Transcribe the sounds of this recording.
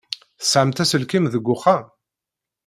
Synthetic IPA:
θə̥sʕəmt̪æsəlkimðəɡːʊχa

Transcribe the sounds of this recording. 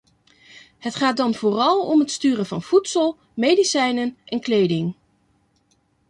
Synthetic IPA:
ɦətχaːt̚dɑnv̥ʊːrɑlˠɔmɦətstyːrənvɑ̰nv̥utsəlˠ | mejdisɛjnənʔɛnklejdɪŋ

